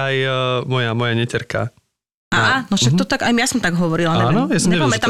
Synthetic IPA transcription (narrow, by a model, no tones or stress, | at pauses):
ajmɔjamɔjaɲɛcɛɾka̰ | ʔaanɔʃakt̪ɔt̪aɡajmjasɔmt̪aɡɦɔʋɔɾilanɛnɔjasɛɛpamɛt̪a